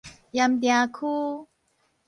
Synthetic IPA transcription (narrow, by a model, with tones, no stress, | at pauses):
ja˧mt̪ja˧kʰu˦